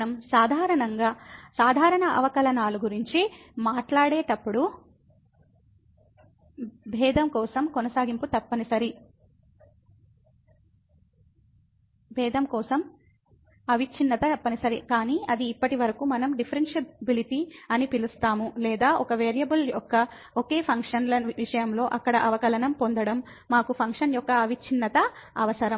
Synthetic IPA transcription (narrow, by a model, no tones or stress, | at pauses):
ɐmsaːd̪ʱaːɾɐɳɐŋɡaːsaːd̪ʱaːɾɐɳɐʔɐ̰ʋɐkɐlɐnaːluɡuɾiɲt͡ʃimaːʈlaːɽeːʈɐpːuɽu | bʱɛːd̪ʱɐmkɔːsɐmkɔnɐsaːɡimput̪ɐpːɐnisɐɾi | bʱɛːd̪ʱɐmkɔːsɐm | ɐʋit͡ʃʰinːɐt̪ɐpːɐnisɐɾikaːniːɐd̪iːpːɐʈiʋɐɾɐkuːmɐnɐmɖipʰɐɾensebiliʈiɐnipilust̪aːmulɛːd̪aːʔɔkɐʋeːɾijɐbuljɔkːɐ | oke̞ːpʰɐŋkʂɐnlɐʋiʂɐjɐmlo̞ːʔɐkːɐɽɐʔɐʋɐkɐlɐnɐmpond̪ɐɽɐmː | aːkupʰɐŋkʂɐnjɔkːɐɐʋit͡ʃʰinːɐt̪ɐɐʋɐsɐɾɐm